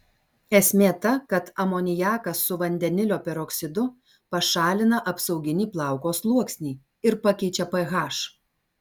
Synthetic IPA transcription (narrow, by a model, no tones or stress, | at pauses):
ɛsʲmʲeːt̪ɐkɐt̪ɐmoːnʲɪjɑːkɐsːʊʋɐnʲd̪ʲɛnʲɪlʲoːpʲɛɾoːkʲsʲɪd̪ʊ | pɐʃɑːlʲɪnɐʔɐpsɐʊɡʲɪnʲiːplˠɑˑʊkoːslˠuɔksʲnʲiː | ɪɾpɐkʲɛɪt͡ʃʲɛpɐɣɑːʃ